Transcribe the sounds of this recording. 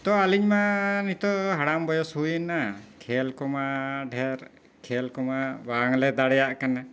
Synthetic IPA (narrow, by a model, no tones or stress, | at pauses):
t̪ɔaliɲmanit̪ɔɦaɽambɔjɔshujnakʰɛlkɔmaɖʱɛɾ | kʰɛlkɔmabaŋlɛd̪aɽɛjaʔkana